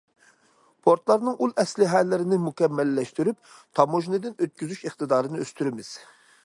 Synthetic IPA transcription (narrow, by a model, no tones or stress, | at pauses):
pʰoɾt̪lˠɑɾnɨŋulˠɛslɪɦɛlːɪɾɪnɪmukʲɛmːɛlːɛʃt̪yɾyp̚ | t̪ʰɑmoʒnɨd̪ɪnøt̪̚kʲyzyʃeχt̪ɨd̪ɑːɾɨnɨøst̪yɾɪmɪz̥